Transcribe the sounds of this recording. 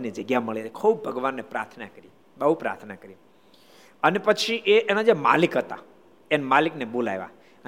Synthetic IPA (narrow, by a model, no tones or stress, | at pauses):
nid͡ʒəɡjaməɭeekʰub̚bʱəɡʋanːepɾa̰ɾt̪ʰnakəɾi | ɓəɦupɾa̰ɾt̪ʰnakəɾi | ənepət͡ʃʰiʔeʔːnad͡ʒema̰likɦət̪a̰ | enmaliknebola̰jʋa̰ | ə